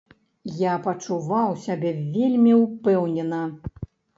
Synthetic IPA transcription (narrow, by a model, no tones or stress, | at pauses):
japɐt͡ʂuvawsʲabʲɛvʲelʲmʲiwpɛwnʲɛnɐ